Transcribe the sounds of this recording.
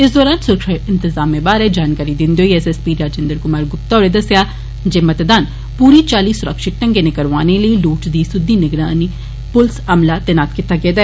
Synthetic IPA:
ɪsd̪ɔːɾaːnsʊɾkʃaɪnt̪ɪzaːmːẽːbaːɾeːd͡ʒaːnkaːɾiːd̪ɪnd̪ioːiːɛːsɛːspiːɾaːd͡ʒẽnd̪əɾkʊmaːɾɡʊp̚t̪aːɾeːd̪əsejaː | d͡ʒeːmət̪d̪aːn | puːɾiːt͡ʃaːliːsʊɾəkʃɪk̚ʈəŋɡeːneːkəɾʋaːneləiːluːʈd̪iːsʊd̪ːiːnɪɡɾaːniː | pʊlsəmlaːt̪ɛːnaːt̪kɪt̪aːkɛːd̪aː

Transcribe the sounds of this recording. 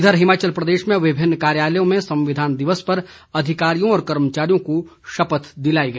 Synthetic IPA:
d̪ʱəɾɦɪmaːt͡ʃəlpɾɐd̪eːʃmẽʋɪbʱɪnːkaːɾjaːləjõmẽsɐ̃mʋɪd̪ʱaːnd̪ɪʋəspɐɾ | ɐd̪ʱɪkaːɾijõɔːɾkɐɾmət͡ʃaːɾijõkoʃɐpət̪d̪ɪlaːiɡɐiː

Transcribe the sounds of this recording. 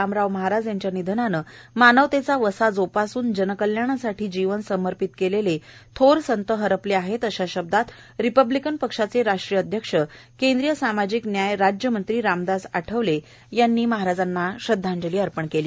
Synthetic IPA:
amɾaʋməɦaɾad͡zjaɲt͡ɕjanid̪ʱnanəmanəʋt̪et͡saʋəsad͡zopasuːnd͡ʑənəkəljaɳasaʈʰiːd͡ʑiʋənsəməɾpit̪kelelet̪ʰoɾsənt̪əɦəɾəpleaɦet̪əɕaɕəb̚d̪at̪ | ɾipəblikənpəkʂat͡seɾaʂʈɾijəəd̪ʱjəkʂə | kẽnd̪ɾijəsamad͡ʑiːknjajɾad͡ʑjəmənt̪ɾiːɾamd̪asaʈʰəʋle | janːiːməɦaɾad͡zanːaɕəd̪ʱːãɲd͡ʑəliːəɾpəɳkeliː

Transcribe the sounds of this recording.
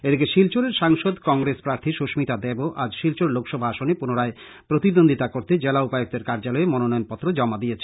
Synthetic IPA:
ed̪ekeʃilt͡ɕoɾeɾʃaŋʃod̪kɔŋɡɾespɾaɾt̪ʰiʃoʃmit̪ad̪eboʔad͡ʑʃilt͡ɕoɾlokʃɔbʱaaʃonepunoɾae | pɾot̪id̪ond̪ʱit̪akoɾt̪ed͡ʑelaupajok̚d̪eɾkaɾd͡ʑalɔemɔnonɔjonpɔt̪ːɾod͡ʑɔmad̪ijet͡ɕʰe

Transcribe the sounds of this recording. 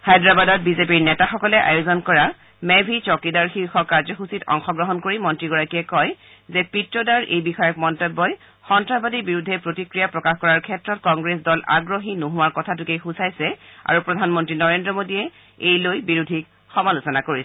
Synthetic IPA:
xajdɹabadɔt̚bizepiɹnɛtaxɔkɔlɛʔa̰jozɔnkɔɹa | mɛbʱit͡ʃɔkidaɹxiɹxɔkaɹzɔxusitɔ̰ŋxɔɡɹɔɦɔnkoɹimɔntɹiɡɔɹakiɛkɔj | zɛpitɹɔdaɹʔejbixɔjɔkmɔntebːɔj | xɔntɹabadibiɹudʱːɛpɹotikɹijapɹɔkaxkɔɹaɹkʰɛtɹɔt̚kɔŋɡɹes̬dɔla̰ɡɹoɦinoɦuwaɹkɔtʰatʊkejxusajsɛa̰ɹupɹɔdʱanmɔntɹinɔɹendɹɔmodijɛ | ejlojbiɹudʱik̚ | xɔmalusɔnakoɹisɛ

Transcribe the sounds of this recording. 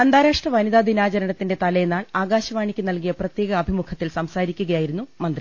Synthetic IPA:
ɐnd̪aːɾaːʂʈrɐʋɐniðaːd̪inaːd͡ʑɐɾɐɳɐt̪ːinde̞t̪ɐlɐjenːaːɭaːɡaːɕɐʋaːɳikʲːunɐlkijɐprɐt̪je̞ːɡɐːbʱimukʰɐt̪ːilsɐmsaːɾikʲːuɣɐjaːjiɾunːumɐnd̪ri

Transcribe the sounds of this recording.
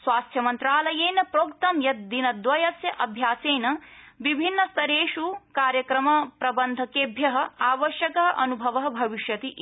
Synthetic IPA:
sʋaːst̪ʰjɐmɐnt̪ɾaːlɐjeːnɐpɾoːkt̪ɐmjɐt̪̚d̪inɐd̪ʋɐjɐsjɐʔɐbʱjaːseːnɐʋibʱinːɐst̪ɐɾeːʃukaːɾjɐkɾɐmɐpɾɐbɐnd̪ʱɐkeːbʱjɐɦɐ̆aːʋɐʃjɐkɐɦɐʔɐnubʱɐʋɐɦɐbʱɐʋiʃjɐt̪iʔ

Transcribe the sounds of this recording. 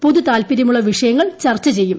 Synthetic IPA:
po̞ðut̪aːlpiɾɐmuɭːɐʋiʂɐjɐŋːɐɭt͡ɕɐrt͡ɕːɐt͡ɕe̞jːum

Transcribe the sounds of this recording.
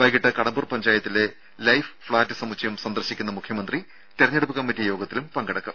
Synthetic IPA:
bɐjkiʈːɨkɐɽɐmbuːrpɐɲd͡ʑaːjɐt̪ːile̞ | lɐjffɭaːtːɨsɐmut͡ɕːɐjumsɐnd̪ɐrɕikʲːunːɐmukʰjɐmɐnd̪ri | t̪eɾɐɲːeɽupːɨkɐmːitːijo̞ːɡɐt̪ːilumpɐŋɡɐɽɐkːɐm

